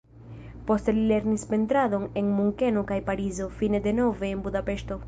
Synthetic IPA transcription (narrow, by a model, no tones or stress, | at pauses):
po̞stelile̞ɾnispe̞nt̪ɾaðo̞ne̞nmuŋke̞no̞kajpaɾizo̞fine̞d̪e̞no̞ve̞ːnbud̪ape̞ʃto̞